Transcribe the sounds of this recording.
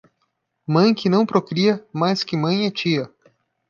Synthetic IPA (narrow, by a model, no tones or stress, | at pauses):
mɐ̃j̃kɪnɐ̃w̃pɾokɾiɐmajskɪmɐ̃j̃ɛt͡ʃiɐ